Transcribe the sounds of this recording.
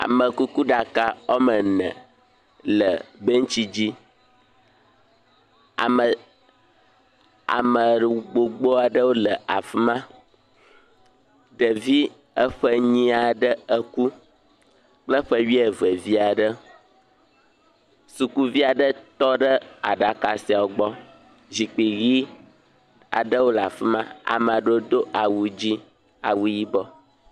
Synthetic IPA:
a̰˨mə̃˨ku˦ku˦ɖa˨ka˨wo˦mə˨nɛ̰̃˨ | lə˨bə˦ŋ̩˦t͡ɕi˦d͡ʑi˦ | a˨ə˨ | a̰˨mə˨ɖɡ͡bo˨ɡ͡bo˦a˨ɖə˦wo˦lə˨a̰˨fi˦mã˦ | ɖə˨vi˦ | ə˦ɸə˦ɲĩ˦a˨ɖə˦ə˦ku˦ | k͡plə˦ɸə˦ɥi˦e˨və˨vi˦a˨ɖə˦ | su˨ku˦vi˦a˨ɖə˦t̪ɔ˦ɖə˦a̰˨ɖa˨ka˨si˨a˨wo˨ɡ͡bɔ˦ | zi˨k͡pi˨ɣi˦ | a̰˨ɖə˦wo˦lə˨a̰˨fi˦mã˦a̰˨mə̃˨ɖo˦o˦d̪o˦ʔa˨wu˨d͡ʑi˦ | a̰˨wu˦ji˦bɔ˦

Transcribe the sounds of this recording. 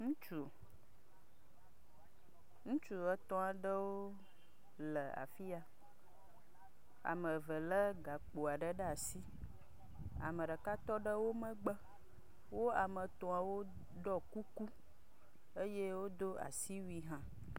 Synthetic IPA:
ŋũ˦t͡ʃu˨ | ŋũ˦t͡ʃu˦ə˦t̪ɔ̃˦a˨ɖə˦wo˦ | lə˨a̰˨fi˦a˨ | a̰˨mə̃˨və˨lə˦ɡa˨k͡po˨a˨ɖə˦ɖə˦a˨si˦ | a̰˨mə̃˨ɖə˨ka˦t̪ɔ˦ɖə˦wo˦mə̃˦ɡ͡bə˦ | wo˦a˨mə˨t̪ɔ˨a˨wo˦ | ɖɔ˦ku˦ku˦ | e˦je˦wo˦d̪o˦a̰˨si˦wi˦ɦã˦

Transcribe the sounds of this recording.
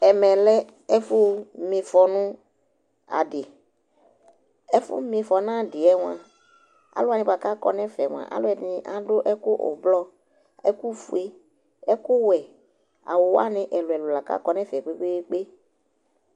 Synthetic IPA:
ɛ˨mɛ̃˨lɛ˦ | ɛ˦fʊ˦mɪ̃˨fɔ˨nʊ̃˦ | a̰˨dɪ˨ | ɛ˦fʊ̰˦mɪ̃˨fɔ˨nã˦˨dɪ˨ɛ˦ŋ̃˨ã˨ | a̰˨lʊ˦a˨nɪ̃˨˦ba˨ka˦kɔ̰˦nɛ̃˦fɛ˨ŋ˨a̰˨ʔa̰˨˦lʊ˦ɛ˨dnɪ˨ʔa˨dʊ˦ʔɛ˦kʊ˦ʔʊ̰˨blɔ˦ | ɛ˦ku˦fu˦e˦ | ɛ˦kʊ˦wɛ˨ | a̰˨wʊ˨wa̰˦nɪ̃˨˦ʔɛ˨lʊ˨ɛ˨lʊ˨la˨ka̰˦kɔ˦nɛ̃˦fɛ˨ɡ͡be˦ɡ͡be˦k͡pe˦

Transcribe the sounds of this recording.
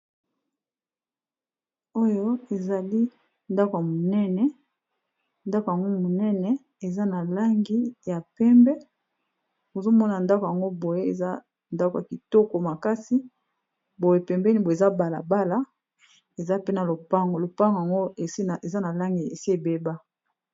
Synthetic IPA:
o˦jo˦e˨za˨li˦ | nda˦ko˨a˨mo˨nɛ˦nɛ˨ | nda˦ko˨ja˨ŋɡo˦mo˨nɛ˦nɛ˨ | e˨za˦na˨la˦ŋɡi˦ja˨pɛ˦mbɛ˦ | o˨zo˦mɔ˦na˨nda˦ko˨ja˨ŋɡo˦bo˨je˦e˨za˦ | nda˦kja˨ki˨to˦ko˨ma˨ka˦si˦ | bo˨je˨pɛ˨mbɛ˦ni˨bo˨e˨za˦ba˨la̰˨ba˦la˦ | e˨za˦pe˦na˨lo˨pa˦ŋɡo˨lo˨pa˦ŋɡo˨ja˨ŋɡo˦e˨se˨za˦na˨la˦ŋɡi˨e˨si˦e˨be˦ba˦

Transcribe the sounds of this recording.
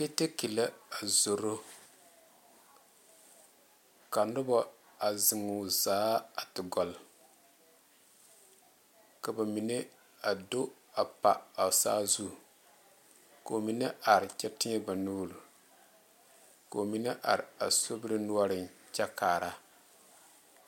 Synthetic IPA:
ke˦te˦ki˨la˦a˨zo˨ɾo˦ | ka˨nʊ˦bɔ˦ | a˨zɪ˨ŋu˨zaː˦a˨tɪ˨ɡɔ˨l | ka˨ba˨mi˨ne˦ | a˨do˦ | a˨pa̰˨a˨sa̰ː˦zu˦˨ | ko˨mi˨ne˦ʔa˨ɾɪ˨t͡ʃɛ˦tɪ˦ɲɛ˦ba˨nuː˦lu˨ | ko˨mi˨ne˦ʔa̰˨ɾɪ˨a̰˨so˦bɾi˦nu˦ɔ˦ɾɪ˨nt͡ʃa˦kaː˨ɾa˦

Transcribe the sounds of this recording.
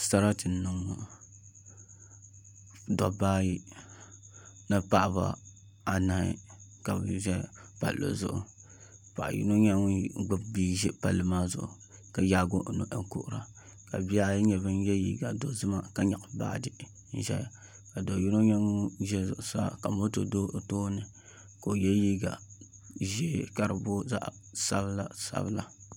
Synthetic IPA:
sa˦ɾa˦tɨ˨˦nɨ˨ŋ˨ | dɔ˨baː˦ji˦ | na˦pa˦ʔba̰˨ | a˨na˨hɪ̰˨ka˨bʒɛ˦pa̰˨lo̰˨zʊ˨ʔʊ̰˨ | pa˨ʔjḭ˦no˦ɲa˦ŋ˦ɡ͡bɨ˦bbi˦ʒɛ˦pa˨lːɨ˦maː˦zʊ˨ʔʊ̰˨ | ka˨jaː˦ɡo˦ʔno˨ʔɛ˨ŋkʊ˦ʔʊ˨ɾa˨ | ka̰˨bi˦a˦ɲɛ˨bɨ˦n˦jɛ˦jḭː˦ɡa˨do˦zɨ˦ma˦ka˦ɲa˨ʔba̰˦˨dɨ˨ | n̩˦ʒɛ̰˦j | ka˨do˨ji˦no˦ɲa˦ŋu˦ʒɛ˦zʊ˨ʔʊ˨saː˦ka˨mo˦to˨do˦˨toː˦nɨ˨ | ko˨jɛ˦ji˦ɡa˨ | ʒe˦ka˦ɾɨ˨bo˦za̰˦ʔ | sa˦bla˦sa̰˦bla̰˨

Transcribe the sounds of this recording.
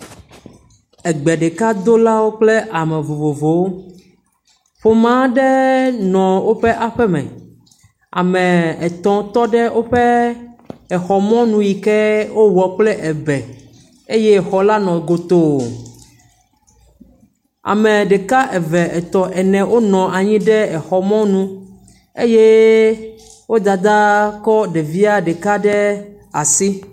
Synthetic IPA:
ɛ˨ɡ͡bɛ˨ɖe˨ka˦d̪o˦la˦wo˦k͡ple˦ʔa˨mɛ̃˨vo˨vo˨vo˨wo˦ | ɸo˦mã˦ɖɛ˦nɔ̃˨wo˦ɸe˦ʔa˨ɸɛ˦mɛ̰̃˨ | a̰˨mɛ̃˨ɛ˨t̪ɔ̃˨t̪ɔ˦ɖɛ˦wʔo˦ɸɛ˦ | ɛ˨xɔ˨mɔ̃˦nũ˨ji˨kɛ˦wo˦wɔ˨k͡plɛ˦ʔɛ˨bɛ˨ | e˦je˦˨xɔ˨la˦nɔ̃˨ɡo˨t̪o˨ | a̰˨mẽ˨ɖɛ˨ka˦ʔɛ˨vɛ˨ʔɛ˨t̪ɔ̃˨ʔɛ˨nɛ̃˨wʔo˦nɔ̃˨ʔa˨ɲĩ˦ɖɛ˦ɛ˨xɔ˨mɔ̃˦nũ˦ | e˦je˦ | wo˦d̪a˨d̪a˦kɔ˦ɖe˨vi˦a˦ɖe˨ka˦ɖɛ˦ | a˨si˦

